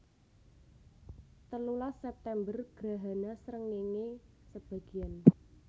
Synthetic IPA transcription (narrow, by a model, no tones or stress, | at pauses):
t̪əlulasɛp̚t̪ɛmbərɡ̥ɾa̤ɦanasɾəŋːiŋe | səb̥a̤ɡ̥i̤an